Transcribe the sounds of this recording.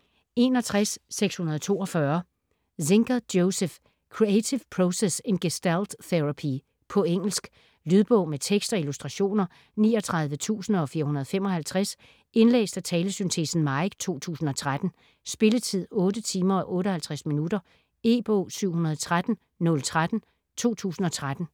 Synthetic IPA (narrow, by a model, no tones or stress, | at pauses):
e̝nɒ̽t͡sʰʁasːeɡ̥shunɐð̞ˠt͡sʰo̝̰ːɒ̽fɶɐ | se̝ŋɡ̥ɐðˠd̥joʊsef | kʰʁiet͡sʰipʰʁosese̝nɡ̥esd̥æld̥θeʁapʰi | pʰɒ̽eŋ̰l̩sɡ̥ | lyðˠb̥ɔ̽ʊ̰met͡sʰeɡ̥sd̥ɒ̽ilusd̥ʁɑ̈ɕo̝̰ːnɐ | nḭːɒ̽t͡sʰʁɑ̈ð̞ˠʋət͡sʰṵːsn̩ɒ̽fiːɐhunɐð̞ˠfem̰ɒ̽hælt͡sʰʁas | e̝nlḛːsd̥æt͡sʰɛːləsynt͡sʰe̝̰sn̩mɑ̈ɪɡ̥t͡sʰo̝̰ːt͡sʰṵːsn̩ɒ̽t͡sʰʁad̥n̩ | sb̥e̝lət͡sʰið̞̰ˠɔ̽ːdət͡sʰiːmɐɒ̽ʔɔ̽ːɾəhælt͡sʰʁasminudɐ | e̝ːb̥ɔ̰ʊsyʊ̰hunɐð̞ˠt͡sʰʁad̥n̩ | nɔ̽lt͡sʰʁad̥n̩ | t͡sʰo̝̰ːt͡sʰṵːsn̩ɒ̽t͡sʰʁad̥n̩